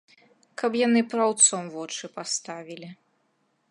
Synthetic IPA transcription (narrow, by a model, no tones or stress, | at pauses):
kɐpjanɨpɾɐawt̪sɔmvɔt͡ʂɨpast̪avʲilʲi